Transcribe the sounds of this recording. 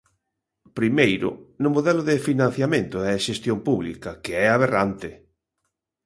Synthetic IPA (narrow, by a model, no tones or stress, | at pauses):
pɾimejɾʊ̰nʊmoðɛlʊðɪfinãn̟θjamẽnt̪ʊɛʃest̪jompuβlḭkɐkeɛaβ̞erant̪ɪ